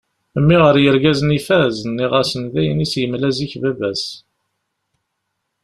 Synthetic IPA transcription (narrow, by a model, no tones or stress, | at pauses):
mːiʁəɾjəɾɡæzənifæznːiʁæsənðæjənisjəmlæziçvævæs